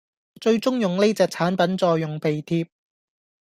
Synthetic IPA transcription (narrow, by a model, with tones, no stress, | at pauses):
t͡ʃɵ˧ɥt͡sʊ˥ŋjʊ˨ŋne˥t͡sɛː˨˧k̚t͡sʰaː˨˥npɐ˨˦nt͡sɔː˧jːʊ˨ŋpe˨jt̪ʰiː˧p̚